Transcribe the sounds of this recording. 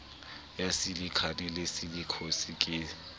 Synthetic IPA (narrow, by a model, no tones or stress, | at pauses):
jasilikʰanɛlesilikʰosikʼɪ